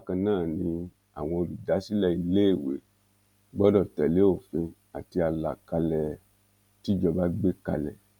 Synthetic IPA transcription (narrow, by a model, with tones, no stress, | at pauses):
a˦kã˧nãː˦˨nĩ˧ | a̰˨w̃ɔ̃˧o˧bi˨da˨˦si˦lɛ˦˨i˧le˦e˦˨wḛ˨˦ | ɡ͡bɔ˦dɔ˦˨tɛ˨le˨˦o˦˨fĩ˧ | a˨ti˧a˧la̰˨ka˧lɛ˨ | ti˦d͡ʒɔ˧ba˦ɡ͡be˦ka̰˧lɛ̰˨